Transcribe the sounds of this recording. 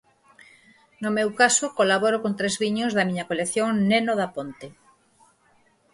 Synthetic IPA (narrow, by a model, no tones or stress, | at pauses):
nomewkasokolaβoɾokont̪ɾezβiɲozðɐmiɲɐkolekθjoŋnenoðapont̪e